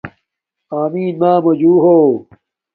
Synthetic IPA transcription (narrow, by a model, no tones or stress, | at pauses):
aːmiːnmaːmod͡ʑuːɦoː